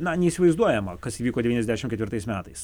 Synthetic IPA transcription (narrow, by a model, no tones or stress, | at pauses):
nɐnʲɛiːsʲɪʋɐɪzd̪uɔjɛmɐkɐsiːʋʲiːkoːd̪ʲɛiːnʲɛzd̪ʲæːʃʲɪmkʲɛt̪ʲʋʲɪɾt̪ɐɪsmʲæːt̪ɐɪs